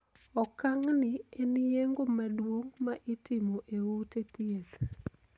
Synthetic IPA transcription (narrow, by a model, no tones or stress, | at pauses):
ɔkaŋnɪenijeŋɡomadwoŋmaʔɪtɪmoʔeutet̪iel